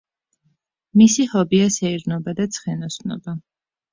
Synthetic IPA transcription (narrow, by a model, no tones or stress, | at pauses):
misihɔbiasɛiɾnɔbad̪at̪sʰχɛnɔsnɔ̰ba